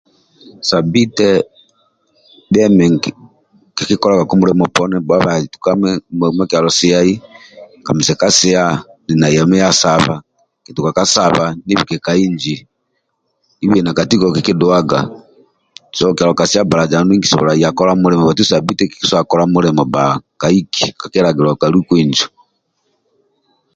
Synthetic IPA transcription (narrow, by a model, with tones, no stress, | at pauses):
sa˨bi˦tɛ˦ | bɛ˦mɛ˨ŋ˨ | ki˨ki˦kɔ˦la˦ɡa˨ku˦mu˦lɛ˦mɔ˨pɔ˦nɛ˦ba˦βa˨i˨tu̥˨ka˦mɛ˦m˦ma˦ki˨a˨lɔ˨si˦a˦i˦ka˨mi˨sɛ˨ka˦sɛ˦a˦ni˨na˨i˨a˨mɛ˦ja˦sa˨βa̰˨ | ki˨tu˨ka˨ka˦sa˦βa˨ni˦βi˨kɛ˨ka˨i˦ɲd͡ʒi˨ | i˦βɛna˨ka˨ti˦kɔkiki˦dua˦ɡa̰˨ | sɔkja˨lɔka˨si˦a˦ba˨la˨d͡ʒa˨ni˦ŋɡisɔ̰βɔ̰la˨ija˨kɔ˦ɾa˦mu˦ɾɛmɔ˨ba˨tu˦sa˨bi˦tɛ˦ki̥kiswakɔlamulɛmɔ˨baka˨iki˨kakɛɾaɡi˨ɾɔ˨kalu˦kwind͡ʒɔ̥